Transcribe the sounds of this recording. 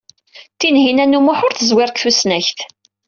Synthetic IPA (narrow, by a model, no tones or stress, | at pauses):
t̪ːinɦinænːumʊħʊɾθəzwɪɾˤkθusnæçθ